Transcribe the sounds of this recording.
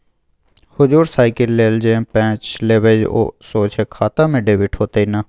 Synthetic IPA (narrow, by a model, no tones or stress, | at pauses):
hʊd͡ʒuːɾsaːɪkəlːeːld͡ʒẽpɛ̃ːt͡ʃleʋed͡ʒo̰ːsoːt͡ʃʰeːkʰaːt̪ãːmɪɖeːʋɪʈʰɦoːt̪eːinaː